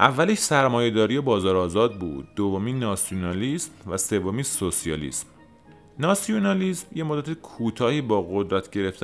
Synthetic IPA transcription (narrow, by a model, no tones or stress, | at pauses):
ʔævːæleʃsæɾmɒːje̞d̪ɒːɾijebɒːzɒːɾɒːzɒːd̪̚bṵːd̪̚ːovomiːnɒːsijonɒːliːsmvæse̞vomiːsosijɒːlḭːsm | nɒːsijonɒliːsmjemod̪æt̪ʰekʰuːt̪ʰɒːhiːbɒːɣo̞d̪ɾæt̪ʰɟe̞ɾe̞ft̪ʰ